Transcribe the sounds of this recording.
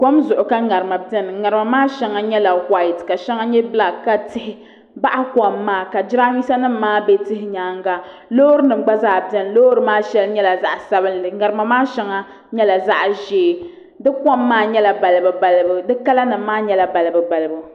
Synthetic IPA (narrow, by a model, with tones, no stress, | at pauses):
kɔ˦mzʊ˨ʔʊ˨ka˦ŋa˨ɾɨ˨ma˨dɛ˦n˨ŋa˨ɾɨ˨ma˨maː˦ʃɛ˦ŋa˦ɲɛ˦la˨wa˦˨tka˨ʃɛ˦ŋa˦ɲɛ˦bla˨ɡːa˦tɪ˦hɪ˦ | ba˦ʔa˦kɔ˨mːaː˦˨ka˨d͡ʒɪ˦ɾa˦ɲi˦sa˦nɨ˦m̩ː˦aː˦be˦tɪ˦hɪ˦ɲaː˨˦ŋɡa˦lo˦ɾɨ˦nɨ˨m˦ɡ͡ba˦zaː˦˨bɛ˦n˨loː˦ɾɨ˦maː˦ʃɛ˦lɲɛ˦la˨za˦ʔsa˦bɨ˦nlɨ˨ŋa˨ɾɨ˨ma˨maː˦ʃɛ˦ŋa˦ | ɲɛ˦la˨za˦ʔʒeː˨˦˨ | dɨ˦kɔ˦mːaː˦ɲɛ˦la˨ba˨lɨ˨bɨ˨ba˨lɨ˦bu˨dɨ˦ka˦la˦nɨ˨mː˦aː˦ɲɛ˦la˨ba˨lɨ˨bɨ˨ba˨lɨ˨bu˨